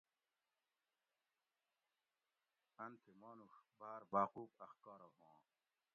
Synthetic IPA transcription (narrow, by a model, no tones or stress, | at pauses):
ɐnt̪ʰemɔːnuxbaːɾbaːquːpɐxkɑːɾɐɦõː